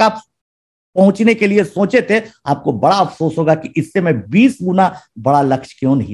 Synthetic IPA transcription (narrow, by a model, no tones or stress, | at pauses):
aːp | pɐɦʊ̃t͡ʃnekeliesõːt͡ʃet̪ʰeaːp̚kobɐɽaɐfsoːsɦoːɡakiʔɪsːemẽbiːsɡʊnabɐɽalɐkʃkjõːnɐɦĩ